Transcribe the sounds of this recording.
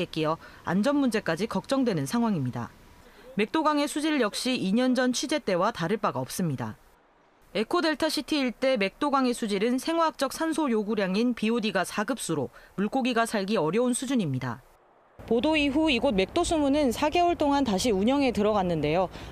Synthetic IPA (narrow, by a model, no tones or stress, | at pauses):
ek͈ijʌa̰nd͡ʑʌnmund͡ʑe̞k͈ad͡ʑikʌk̚t͡ɕ͈ʌŋdwenɯnsʰaŋɦwaŋimɲida̰me̞k̚t͈oɡaŋe̞sʰud͡ʑiɾɯɭjʌk̚ɕ͈iːɲʌnd͡ʑʌnt͡ɕʰid͡ʑe̞t͈e̞wataɾɯɭp͈aɡaʌp̚s͈ɯmɲida̰ | e̞kʰode̞ɭtʰaɕʰitʰiːɭt͈e̞me̞k̚t͈oɡaŋe̞sʰud͡ʑiɾɯnsʰe̞ŋwak̚t͡ɕ͈ʌk̚sʰansʰojoɡuɾjaŋinpiodiɡasʰaɡɯp̚s͈uɾomuɭk͈oɡiɡasʰaɭɡiʌɾjʌunsʰud͡ʑuɲimɲida̰ | podoiɸuiɡot̚me̞k̚t͈osʰumunɯnsʰaɡe̞uɭt͈oŋantaɕʰiuɲʌŋe̞tɯɾʌɡanːɯnde̞jo